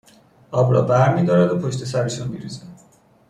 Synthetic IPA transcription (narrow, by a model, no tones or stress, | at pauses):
ʔɒːbɾɒːbæɾmiːd̪ɒːɾæd̪opʰoʃt̪ʰe̞sæɾeʃunmiɾizɛ